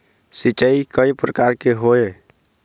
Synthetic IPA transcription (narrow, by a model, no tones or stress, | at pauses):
sit͡ʃəikəjpɾəkaɾkeɦoe